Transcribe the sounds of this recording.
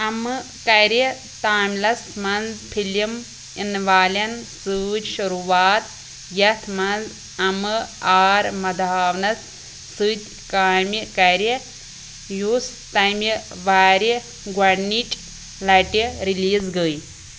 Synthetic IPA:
ɐmɨ | kɐɾi | t̪aːmʲlɐsmɐnzpʰilim | inʋaːlʲɐnsɨd͡ʒʲʃuɾuːʋaːt̪ | jɐt̪ʰmɐnz | ɐmɨaːɾmɐd̪aːʋnɐs | sɨːt̪ʲ | kaːmʲikɐɾi | juːs | t̪ɐjmi | ʋaːɾi | ɡwɐɽniʈʲʼ | lɐʈiɾiliːzɡəj

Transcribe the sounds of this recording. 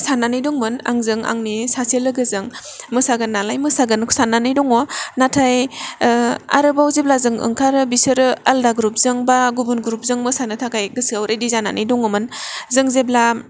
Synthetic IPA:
sanːanɯjdɔŋmɯna̰ŋzɯŋa̰ŋnisaselɯɡɯzɯŋ | mɯsaɡɯnːalajmɯsaɡɯnkʰsananɯjdɔŋɔnatʰaj | a̰ɾɯbawzeblazɯŋɯ̰ŋkʰaɾɯbisɯɾɯaldaɡɾup̚zɯŋbaɡubunɡɾup̚zɯŋmɯsanɯtʰakajɡɯsiawɾʔajdizana̰nʔɯjdɔŋɔmɯnzɯŋzebla

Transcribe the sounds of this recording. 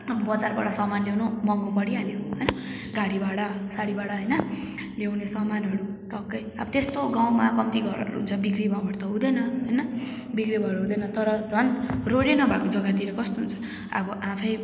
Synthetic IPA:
ʌbʌbʌd͡zarba̰ɽʌsʌmanlewnomʌŋɡopʌɽiɦaneoɦʌjnʌ | ɡaɽibaɽʌsaɽibaɽʌɦʌjnʌ | lewnesʌmanɦʌɾuʈʌkːʌjʌ̰bʌt̪est̪oɡaw̃makʌmt̪iɡʌɾʌ̰ɾ̰ɦṵnt͡sʰʌbikɽibʱʌabʱʌɽt̪ʌɦũd̪ʌjnʌɦʌjnʌ | bikɾibʱʌɾɦũd̪ʌjnʌt̪ʌɾʌd͡zʱʌnroɽenʌbʱakod͡zʌɡat̪iɾʌkʌst̪oɦunt͡sʰʌ̥ | a̰bʌʔãpʰʌj

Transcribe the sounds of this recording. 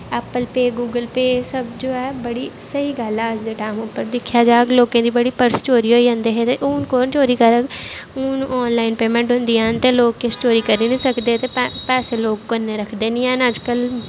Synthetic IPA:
ɛːpəlpeːɡuːɡəlpeːsəbd͡ʒoːɛːbəɽiːsəiːɡəlaːəsd̪eːʈaːmʊpːəɾd̪ɪkʰːjaːd͡ʒaːɡloːkẽːd̪iːbəɽiːpəɾst͡ʃoːɾiːɦoːiːə̃nd̪eːɦet̪eʔʊːnkoːnt͡ʃoːɾiːkəɾəɡʊnɔːnlaːɪnpeːmẽɳʈɦʊ̃nd̪iːəːnt̪eːloːkːest͡ʃoːɾiːkəɾiːnĩːsəkd̪eːt̪eːpːpɛːseːloːkkənːeːɾəkʰd̪eːnĩːɛ̃ːnəd͡ʒkəl

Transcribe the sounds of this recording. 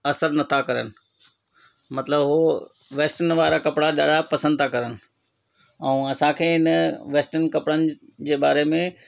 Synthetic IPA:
ɐsəɾnɐt̪ʰakɐɾə̰nɪ̆ | mɐt̪ləbɦoː | ʋeːsʈənʋaːɾakɐpɽaɗaːɽapɐsə̃nd̪̚t̪ʰakɐɾənɪ̆ | ɛ̃ũɐsãkʰeːɪnʋeːsʈənkɐpɽənɪ̆d͡ʑeːbaːɾemẽ

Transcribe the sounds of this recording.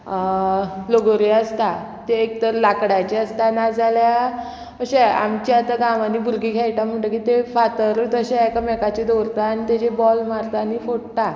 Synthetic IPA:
loɡoɾiəst̪a | t̪eːkt̪əɾlakɽat͡ɕeəst̪anad͡zʱalja | əɕea̰mt͡ɕjat̪aɡãʋanːiːbʱuɾɡikʰɛjʈam̤əɳʈəkit̪efat̪əɾt̪əɕeekamɛkat͡ɕed̪oɾt̪aːnit̪ed͡ʑebɔlmaɾt̪anifoɽt̪a

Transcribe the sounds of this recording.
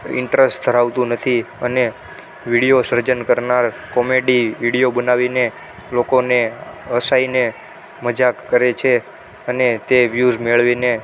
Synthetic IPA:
ɪ̰ɳʈɾesʈd̪ʱəɾaʋt̪ũnət̪ʰiəne | ʋiɽijosəɾd͡ʒənkəɾnaɾ | kɔmeɖiʋiɽijobənaʋine | lokoneəsaine | məd͡ʒakːəɾet͡ʃʰe | ənet̪eʋjuzmeɭʋine

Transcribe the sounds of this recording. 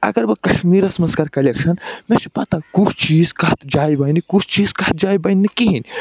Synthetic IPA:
ɐ̰ɡɐɾbɐkɐʃmiːɾɐsɐmɐnskaɾkɐlekʃɐnmẽt͡ʃʰipɐt̪akut͡ʃʰt͡ʃiːzkɐt̪d͡ʒaːjbɐːnikut͡ʃʰt͡ʃiːzkɐt̪̚d͡ʒaːjbɐnʲːikiɦinʲ

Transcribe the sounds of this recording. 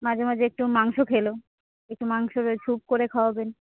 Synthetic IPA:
mad͡ʑʱemad͡ʑeek̚ʈumaŋʃokʰelo | ek̚ʈumaŋʃoɾt͡ɕʰub̚koɾekʰaaben

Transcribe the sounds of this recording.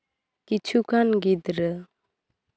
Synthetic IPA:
kit͡ʃʰukanɡid̪ɾə

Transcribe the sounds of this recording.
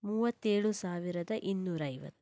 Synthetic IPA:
muːʋɐt̪ːeːɭusaːʋiɾɐd̪ɐʔinːuːɾɐːjʋɐ̰t̪ːu̥

